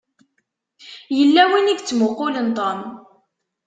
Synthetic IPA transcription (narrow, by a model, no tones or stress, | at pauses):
jəlːæwiniɡt͡sːmʊqːʊlənt̪ˤɑn